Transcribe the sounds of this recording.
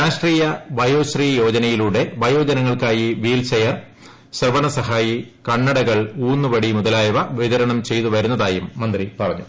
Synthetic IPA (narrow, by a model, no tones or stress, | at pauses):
aːʂʈriːjɐbɐjo̞ːɕriːjo̞ːd͡ʑɐnɐjiluːɽe̞bɐjo̞ːd͡ʑɐnɐŋːɐɭkaːjiʋiːlt͡ɕɐjɐr | ɕrɐbɐɳɐsɐɦaːjikɐɳːɐɽɐɣɐɭuːnːuʋɐɽimuðɐlaːjɐʋɐʋiðɐɾɐɳɐmt͡ɕe̞jt̪uʋɐɾunːɐðaːjumːɐnd̪ripɐrɐɲːṵ